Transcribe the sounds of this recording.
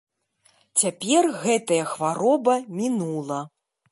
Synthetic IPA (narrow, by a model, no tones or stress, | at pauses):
t͡sʲapʲɛrɣɛt̪ɐjɐxvaɾɔbɐmʲinulˠɐ